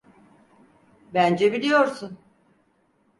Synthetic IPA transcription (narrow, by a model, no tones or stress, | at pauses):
bænd͡ʒɛbilʲijoɾsun